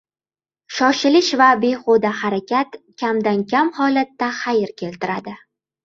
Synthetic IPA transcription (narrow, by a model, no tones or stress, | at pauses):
ʃɒʃɪlɪʃvabe̞χod̪ahaɾakʲʰat̪kʲʰamd̪ankʲʰamhɒlat̪ːaχajɪɾkʲʰe̞lt̪ɪɾad̪ɪ